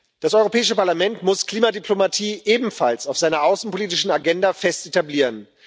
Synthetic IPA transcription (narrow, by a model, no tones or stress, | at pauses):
d̥asʔɔʏʁopʰɛːɪʃəpaɐlamɛntmʊskl̥iːmadypʰlomatʰiːʔeːbm̩fa̰lsaʊfz̥aɪnɐʔaʊsn̩pʰoliːtɪʃn̩aɡɛndafɛstetabliːʁən